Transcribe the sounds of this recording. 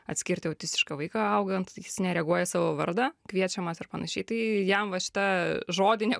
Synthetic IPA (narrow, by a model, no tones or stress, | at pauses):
ɐt̪ʲsʲkʲɪrʲt̪ʲɪoʊt̪ʲɪstʲɪ̥ʃkɐʋɐɪkɑɐʊɡɐnt̪jɪsnʲɛɾʲɛɡuɔjɛsɑːʋoʋɐɾd̪ɑkʋʲiɛt͡ʃʲɛmɐsɐrpɐnɐʃʲɛɪt̪ɐɪjɛmʋɐʃʲɪ̥t̪ɐʒoːd̪ʲɪnʲɛ